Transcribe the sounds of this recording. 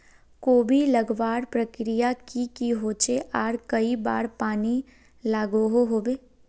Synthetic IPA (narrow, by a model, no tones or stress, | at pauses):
koːbʱilɐɡʋaːɾpɾəkɾijakikiɦoːt͡ʃeʔaːɾkɐiba̰ːɾpaːni | laːɡoɦoɦoːbeː